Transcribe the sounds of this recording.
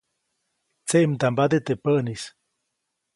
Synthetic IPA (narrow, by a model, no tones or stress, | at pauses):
t͡seʔmt̪ambat̪et̪epəʔnis